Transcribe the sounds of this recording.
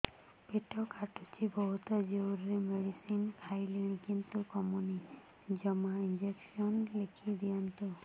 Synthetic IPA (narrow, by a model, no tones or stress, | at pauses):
peʈɔkʰaʈut͡ʃʰibɔɦut̪ɔd͡ʒewɾɾemeɽisinkʰajleɽ̃ĩkint̪ukɔmuni | d͡ʒɔmaind͡ʒeksiɔnlekʰid̪ijant̪u